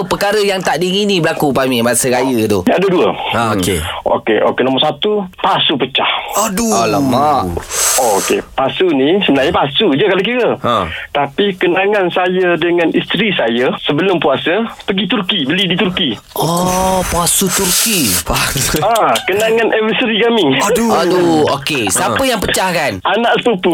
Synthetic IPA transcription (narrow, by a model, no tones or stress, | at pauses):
pəkaɾəjaŋt̪aʔdiŋinibəlakupamimasəkajət̪ʊadəduəaokḛʔo̰keʔo̰kenomɔrsat̪upasupət͡ʃahdualəmaʔookḛpasunisəmənajəpasud͡ʒəkalok̬iɾəʔa̰t̪apikənaŋansajadəŋanist̪ɾisajasəbəlʊmpuasəpəɡit̪urkibəlidit̪urki | ʔɔpasut̪urki | akənaŋanʔɛwəsəɾikamɪŋduokesapəjaŋpət͡ʃahkananaʔsə̥pəpu